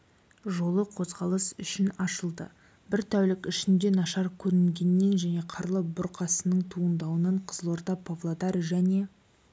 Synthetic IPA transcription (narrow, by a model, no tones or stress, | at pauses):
ʒo̞lˠəqʰo̞zʁɑlˠəsʏʃɪnɑʃəlˠd̪ə̰ | bɪɾt̪ʰæwlɪkʲɪʃɪnd̪e̞nɑʃɑɾkʲʰɵɾɪŋɡʲe̞nːe̞nʒæne̞qʰɑɾlˠəbʊɾqʰɑsənəɴt̪ʰuənd̪ɑwənəɴqʰəz̥əlˠo̞ɾt̪ɑpʰovlˠod̪ɑɾʒæne̞